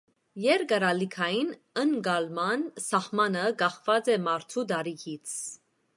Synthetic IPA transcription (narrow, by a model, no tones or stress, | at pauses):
jɛɾkɑɾɑlikʰɑjin | əŋɡɑlmɑnsɑhmɑnəkɑχvɑt͡sɛmɑɾt̪ʰud̪ɑɾikʰit͡sʰ